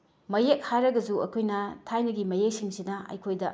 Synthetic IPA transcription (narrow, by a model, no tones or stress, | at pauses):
mɐjek̚hajɾɐɡɐzuɐ̰kʰojnɐtʰajnɐɡimɐjek̚siŋsinɐɐ̰jkʰojdɐ